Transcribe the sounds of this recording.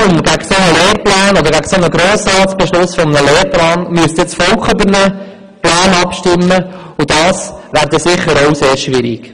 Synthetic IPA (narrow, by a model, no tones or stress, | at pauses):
ʊmɡæɡsonəleːɾplæːnɔd̪əɾɡæɡsonəɡɾoːsɾɑːtsb̥ɛʃlʊsfɔmənəleːɾplɑːnmyəst̪et͡sfɔlkχybəɾnə | plæːnɑpʃtɪmːə | udɑːsʋæːɾd̪ɛsɪχːəɾɔʊseːɾʃʋɪɾik